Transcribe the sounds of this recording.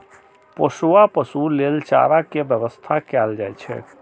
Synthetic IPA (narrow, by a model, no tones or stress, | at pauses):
pəsuapəsulelt͡ʃa̰ɾakebjəbəst̪ʰakɛld͡ʒajt͡ʃʰɛ̰